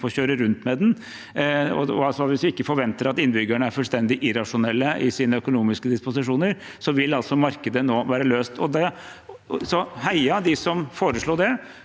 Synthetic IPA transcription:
fɔçøːɾəɾʉnt̪mɛd̪ɛn | ɔ̰ɔ̰ɑlsɔʋɪsʋɪɪkːəfɔɾʋɛnt̪əɾɑt̪ɪnːbʏɡæɳəæɾfʉlst̪ɛnd̪ɪʔɪɾɑʂʊnɛlːəʔɪsiːnəœkʊnuːmɪskəd̪ɪspʊsɪʂuːnəɾ | sɔʋɪlːɑlt̪sɔmɑɾkəd̪ənoːʋæːɾəløːst̪ʰɔd̪ɛ | sɔhæɪɑd̪ɪsɔmfoːɾəʂɭuːd̪ɛ

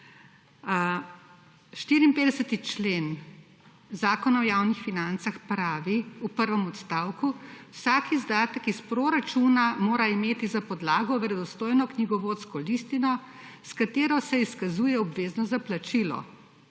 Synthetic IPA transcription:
ʃt̪iːɾiːmpeːd̪ɛsət̪it͡ʃleːn | zaːkɔnaɔjaːwnixfinant̪saxpɾaːʋiupəɾʋɛmɔt̪st̪aːwkuwsaːkizd̪aːt̪əkispɾoɾat͡ʃuːnamoːɾaimeːt̪izapɔd̪laːɡɔʋɛɾɛd̪ɔst̪oːjnɔkniɡɔʋoːt̪skɔlist̪inɔ | skat̪eːɾɔsɛiskazuːjɛɔbʋeːznɔzaplat͡ʃilɔ̰

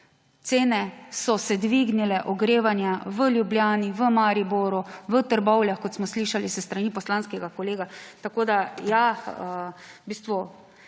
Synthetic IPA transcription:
t̪seːnɛsɔsɛd̪ʋiɡnilɛʔɔɡɾeːʋanjaʋəljubljaːniʋəmaɾiboːɾuʋət̪əɾbɔwljaxkɔt̪smɔsliːʃalisəst̪ɾaniːpɔslanskɛɡakɔleːɡat̪akoːd̪ajaəbiːst̪ʋu

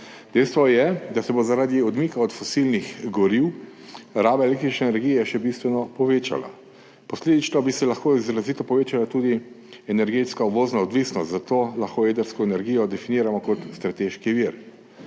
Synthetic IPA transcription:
d̪ɛjst̪ʋɔjɛd̪asɛbozaɾaːd̪iɔd̪miːkaɔt̪fɔsilnixɡɔɾiw | ɾaːbaelekt̪ɾit͡ʃnɛːnɛɾɡijɛʃɛbist̪ʋɛnɔpɔʋeːt͡ʃa̰la̰ | pɔsleːd̪it͡ʃnɔbisɛlaxkoizɾazit̪ɔpɔʋeːt͡ʃalat̪uːd̪i | ɛnɛɾɡeːt̪skauboːznaɔd̪ʋiːsnɔst̪zat̪oːlaxkoːed̪əɾskɔɛnɛɾɡijɔd̪ɛfiniːɾamɔkɔt̪st̪ɾat̪eːʃkiʋiɾ

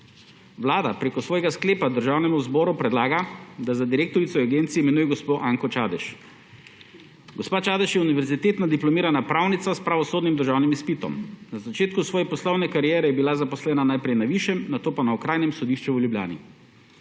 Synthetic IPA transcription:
ʋlaːd̪apɾeːkɔsʋɔːjɛɡaskleːpad̪əɾʒaːwnɛmuzbɔːɾupɾɛd̪laːɡad̪azad̪iɾeːk̚t̪ɔɾit̪sɔaɡeːnt̪sijiːmɛnujɛɡɔspoːʔaːŋkɔt͡ʃaːd̪ɛʃ | ɡɔspaːt͡ʃaːd̪ɛʃjɛuniʋɛɾzit̪eːt̪nad̪iplɔmiːɾanapɾawnit̪saspɾaʋɔsoːd̪nimd̪əɾʒaːwnimispit̪ɔ̰mnazat͡ʃeːt̪kusʋɔːjɛpɔslɔwnɛkaɾijɛːɾɛjɛbilazapɔslɛːnanajpɾɛjnaʋiːʃjɛmnat̪oːpanaɔkɾaːjnɛmsɔd̪iːʃt͡ʃɛəljublja̰ːnḭ

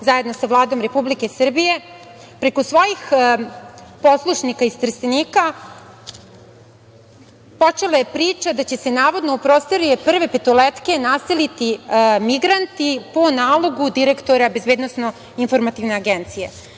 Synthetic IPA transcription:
zaje̞d̪no̞savlˠaːd̪o̞mɾe̞publike̞sr̩bije̞ | pɾe̞kosʋo̞ːjix | po̞slˠuʂnikaist̪r̩st̪eniːka | po̞t͡ʂelaje̞pɾiːt͡ʃad̪at͡ɕe̞se̞naːʋo̞d̪noupɾoːst̪eɾujepr̩ʋe̞pet̪olet̪ke̞naselit̪imiɡɾant̪ipo̞naːlˠo̞ɡud̪iɾe̞kt̪o̞ɾabe̞zbe̞ːd̪no̞sno̞ | info̞ɾmat̪iʋneaɡent̪sije̞

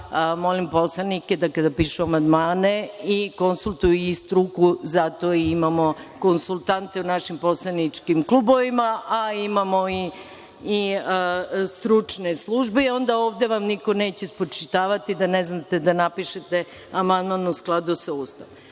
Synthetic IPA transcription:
mo̞limpo̞slˠanike̞d̪akad̪apiːʃuamand̪maːne̞iko̞nsulˠt̪ujuist̪ɾukuzat̪o̞iimamo̞ko̞nsulˠt̪ant̪e̞unaʃimpo̞slˠanit͡ʃkimklˠubo̞ʋimaʔaimamo̞iː | st̪ɾut͡ʂneslˠuʒbeio̞nd̪ao̞ːʋd̪e̞ʋamniko̞ne̞ːt͡ɕespɾot͡ʃit̪aːʋat̪id̪aneznat̪e̞d̪anapiʃet̪e̞ | amand̪mannusklˠad̪usauːst̪aʋ

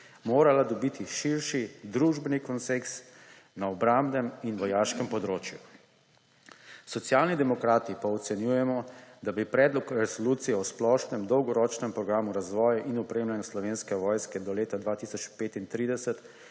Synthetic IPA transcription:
moːɾalad̪ɔbiːt̪iʃiɾʃid̪ɾuʒbɛnikɔnseks | naɔbɾambnɛminʋɔjaːʃkɛmpɔd̪ɾoːt͡ʃjṵ | sɔt̪sjaːlnid̪ɛmɔkɾaːt̪ipaɔt̪sɛnjuːjɛmɔd̪abipɾɛːd̪lɔkɾɛsɔluːt̪sijɛɔsplɔːʃnɛmd̪ɔwɡɔɾɔːt͡ʃnɛmpɾɔɡɾaːmuɾazʋɔːjaʔinɔpɾeːmlanjaslɔʋeːnskɛʋɔːjskɛd̪ɔleːt̪ad̪ʋaːt̪isɔt͡ʃpeːt̪int̪ɾiːd̪ɛsɛt̪

